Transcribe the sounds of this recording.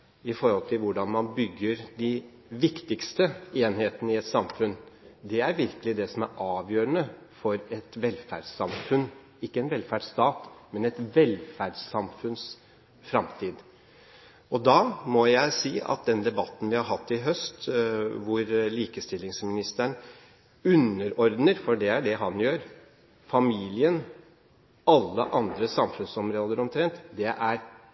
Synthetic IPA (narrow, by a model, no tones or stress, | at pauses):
ɪfɔɾhɔlt̪ʰɪlʋʊɖɑnmɑnbʏɡːəɾd̪ɪ | ʋɪkt̪ɪkst̪əeːnheːt̪ənəɪɛt̪sɑmfʉnd̪ɛæɾʋɪɾkəlɪd̪ɛsɔmæɾʔɑːʋjøːɾənə | fɔɾɛt̪ʋɛlːfæ̰ɖsːɑmfʉn | ɪkːəɛnʋɛlfæɖst̪ɑːt̪mɛnɛt̪ʋɛlfæɖsɑmfʉns | fɾɑmt̪ʰiːd̪ | ɔd̪ɑːmɔjæɪsiːɑ̰t̪̚d̪ɛnd̪ɛbɑt̪ːən̩ʋɪhɑɾɦɑt̪ːɪɦœst̪ʋʊɾliːkəst̪ɪlːɪŋsmɪnɪst̪əɳ | ʉnːəɾɔɾd̪nəɾfɔɖɛæɖɛɦɑnjøːɾ | fɑmiːlɪən | ɑlːə̰ʔɑnd̪ɾəsɑmfʉnsɔmɾoːd̪əɾɔmt̪ʰɾɛnt̪d̪ɛʔæɾ